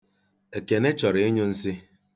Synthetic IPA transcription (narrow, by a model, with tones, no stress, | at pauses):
e˨ke˨ne˦t͡ʃɔ˨ɾe˨e˦ɲo˦n̩˦sɪ˦